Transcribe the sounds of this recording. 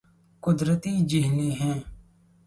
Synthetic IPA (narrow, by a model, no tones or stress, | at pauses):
kʊd̪ɾət̪iːd͡ʒɪɦleːɦɛ̃ː